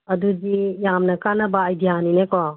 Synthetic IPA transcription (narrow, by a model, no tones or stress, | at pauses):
ɐduzijamnɐkanabaːjdiɦaninekɔ